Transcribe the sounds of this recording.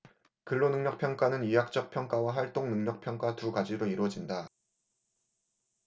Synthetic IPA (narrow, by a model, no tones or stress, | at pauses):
kɯɭːonɯŋɲʌk̚pʰjʌŋk͈anɯnijak̚t͡ɕ͈ʌk̚pʰjʌŋk͈awaɸwaɭt͈oŋnɯŋɲʌk̚pʰjʌŋk͈watuɡad͡ʑiɾoiɾwʌd͡ʑinda